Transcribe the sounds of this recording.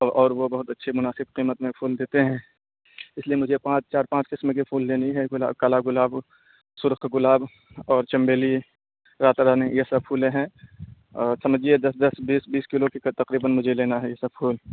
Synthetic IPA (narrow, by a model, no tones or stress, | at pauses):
ʔɔːɾʋobɐɦʊt̪ɐtːʃʰimʊnaːsɪb̚qiːmət̪mẽpʰuːld̪eːt̪eɦɛ̃ː | ɪslijemʊd͡ʒʱepãːt͡ʃt͡ʃaːɾpãːt͡ʃkɪsmekepʰuːlleːniɦɛɡʊla̰ːbkalaɡʊlaːb | sʊɾqɡʊlaːb | ɔːɾt͡ʃɐmbeːli | ɾaːt̪ɾaːnẽjesɐbpʰuːlẽɦɛ̃ː | sɐməd͡ʒied̪ɐsd̪ɐsbiːsbiːskɪlokekt̪ɐqɾiːbənmʊd͡ʒʱeleːnaɦɛjesɐbfʰuːl